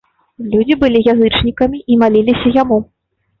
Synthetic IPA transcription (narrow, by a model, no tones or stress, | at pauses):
lʲud͡zʲibɨlʲijazɨt͡ʂnʲikɐmʲiʔimalʲilʲisʲɐjamu